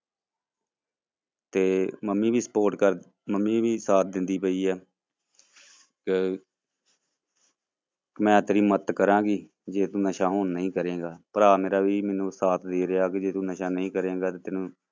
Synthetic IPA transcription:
t̪eːməmːiːʋiːsəpoːɾʈkəɾ | məmːĩːʋiːsaːt̪̚ʰd̪ɪnd̪iːpəiːɛː | k | kmɛ̃ːt̪ːɾiːmət̪kəɾãːɡiː | d͡ʒeːt̪ũːnəʃãːɦoːnːəĩːkəɾeːɡaːpəɾaːmeːɾaːʋiːmɛːnũːsaːt̪ʰd̪eːɾɪaːkɪd͡ʒeːt̪ũːnəʃãːnəĩːkəɾẽːɡaːt̪eːt̪ɪnũː

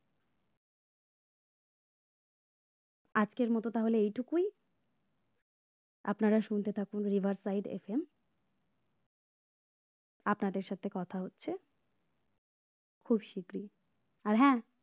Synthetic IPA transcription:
ad͡ʑkeɾmɔt̪ot̪aɦoleejʈʰukuj | a̰pnaɾaʃunt̪et̪ʰakunɾibʱaɾsajɖḛfem | apnaɖeɾʃat̪ʰekɔt̪ʰaɦotːɕʰe | kʰubʃikɾi | aɾɦɛ̃

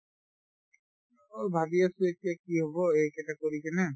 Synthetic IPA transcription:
oɹbʱabiasuetijakiɦobɔekɛtakoɹikɛnɛ

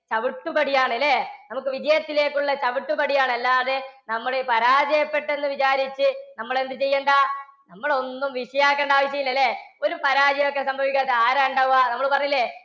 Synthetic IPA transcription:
t͡ɕɐʋiʈːubɐɽijaːɳelːenɐmukːɨʋid͡ʑɐjɐt̪ːile̞ːkːuɭːɐt͡ɕɐʋiʈːubɐɽijaːɳɐlːaːðenɐmːɐɽepɐɾaːd͡ʑɐjɐpːe̞ʈːe̞nːɨʋit͡ɕaːɾit͡ɕːɨnɐmːɐɭend̪ɨt͡ɕe̞jːeːɳɖɐ | nɐmːɐɭo̞nːumʋiʂɐjaːkːeːɳɖaːʋɐɕ̬jɐjilːɐlːeo̞ɾupɐɾaːd͡ʑɐjɐmokːesɐmbʱɐʋikʲːaːt̪ːeaːɾaːɳɖaʋuanɐmːɐɭpɐrɐɲːilːe

